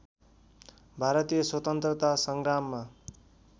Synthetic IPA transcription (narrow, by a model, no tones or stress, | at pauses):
bʱaɾʌt̪ijʌswʌt̪ʌnt̪rʌt̪asʌŋɡramːa